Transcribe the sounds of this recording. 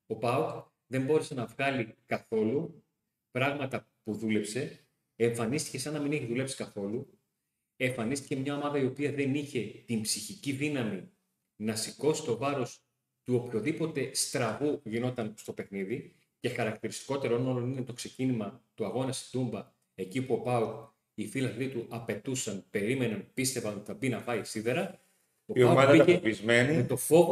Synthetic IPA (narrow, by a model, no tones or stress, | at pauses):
o̞pɐuk | ðe̞mbo̞ɾe̞se̞nɐvɣɐlikɐθo̞lu | pɾɐɣmɐt̪ɐ | puðule̞pse̞ | eɱfɐnist̪i̥ce̞sɐnɐmineçiðule̞psi̥kɐθo̞lu | e̞ɱfɐnist̪ice̞mɲɐo̞mɐðɐio̞piɐðe̞niçe̞t̪imbsiçiciðinɐmi | nɐsiko̞si̥t̪o̞vɐɾo̞s | t̪uo̞pço̞ðipo̞t̪e̞st̪ɾɐvuʝino̞t̪ɐnst̪o̞pe̞xniði | ce̞xɐɾɐk̚t̪iɾist̪i̥ko̞t̪e̞ɾɐonolonine̞t̪o̞kse̞cinimɐt̪uɐɣo̞nɐst̪umbɐ | e̞cipuo̞pɐuk | ifilɐθlit̪uʔɐpe̞t̪usɐnpe̞ɾime̞nɐnpist̪e̞vɐnot̪i̥θɐbinɐpɐisiðe̞ɾɐ | o̞ipoɐmɐɐiɐepizmenimet̪o̞fo̞ɣ